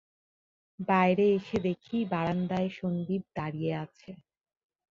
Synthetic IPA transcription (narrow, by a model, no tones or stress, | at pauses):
baeɾeeʃed̪ekʰibaɾand̪aeʃond̪ib̚d̪aɾijeat͡ɕʰe